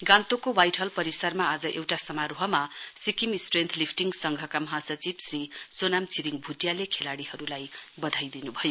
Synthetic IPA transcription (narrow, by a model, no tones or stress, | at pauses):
ɡãnt̪okowajʈʰʌlpʌɾisarmaad͡zʌʔewʈasʌmaɾoɦʌmasikimisʈrent̪ʰlipʰʈiŋɡsʌŋɡʱʌkamʌɦãsʌt͡sibsrisonamt͡sʰiɾiŋbʱuʈjalekʰelaɽihʌɾulajbʌd̪ʱajd̪inubʱʌjo